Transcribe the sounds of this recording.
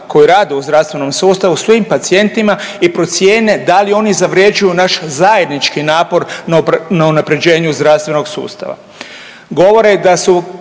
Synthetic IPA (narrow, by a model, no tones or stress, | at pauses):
kʰo̞jiɾaːd̪euzd̪ɾafst̪ʋe̞no̞msuːst̪aʋusʋimpat̪sie̞nt̪imaipɾo̞t̪sje̞ːne̞d̪alio̞nizaʋɾje̞d͡ʒujunaʃzaje̞d̪nit͡ʃkinaːpo̞ɾnnaunapɾe̞d͡ʑe̞ːɲuzd̪ɾast̪ʋe̞no̞ɡsṵːst̪a̰ʋa̰ | ɡo̞ʋo̞ɾed̪asu